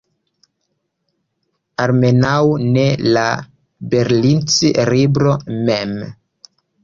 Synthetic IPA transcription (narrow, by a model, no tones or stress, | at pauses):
aɾme̞nawne̞la | be̞ɾlint͡siɾibɾomem